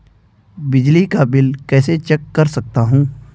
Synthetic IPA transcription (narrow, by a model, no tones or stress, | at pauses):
bɪd͡ʒlikabɪlkɛːset͡ʃɐkːɐɾsɐk̚t̪aɦũː